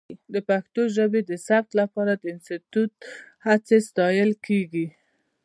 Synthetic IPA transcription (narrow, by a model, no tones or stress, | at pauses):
d̪əpaxt̪oʒəbed̪əsab̚t̪lapɑɾad̪əɪnst̪it̪ut̪̚hat͡sest̪ɑjəlkʰeɡi